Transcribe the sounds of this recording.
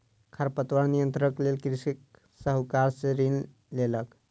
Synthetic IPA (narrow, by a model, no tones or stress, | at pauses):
kʰaɾpət̪ʋəɽnijənt̪ɾəklelkɾisik | səɦukaɾseɾin | lelək